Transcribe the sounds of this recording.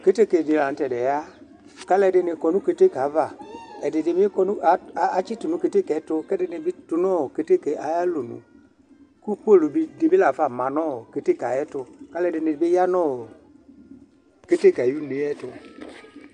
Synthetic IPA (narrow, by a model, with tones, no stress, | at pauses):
ke˦te˦˨ke˨nɪ˨la˨n̩˦tɛ˨dɛ˨ja˦ | ka˦lɛ˨dɪ˧nɪ˧kɔ˨nu˦ke˦te˦˨ka˨˦va˨ɛ˨dɪ˨dɪ˨mɪ˦kɔ˦nu˦˨˦a˨˦t͡ʃi˦tu˨nũ˨ke˨te˦kɛ˨˦tʊ˧kɛ˦dɪ˨nɪ˨bɪ˦tʊ˧nɔ˦˨ke˦te˦˨ke˨ʔa˨ja˦lo˨nṵ̃˨ | ku˦ko˦˨lʊ˨bi˦dɪ˨bɪ˦la˨fa˨mã˨nɔ˦˨ke˨te˦˨ka˨jɛ˦tʊ˧ka˦lɛ˦˨dɪ˨nɪ˨˦bɪ˦ja˦nɔ˦˨ | ke˦te˦˨ka˨ju˦ne˨˦ɛ˦tʊ˧